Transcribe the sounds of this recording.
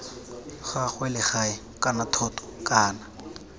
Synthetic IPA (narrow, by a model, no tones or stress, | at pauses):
χaχwɛlɪχaɪ | kʼanatʰɔtɔ̥kʼaːna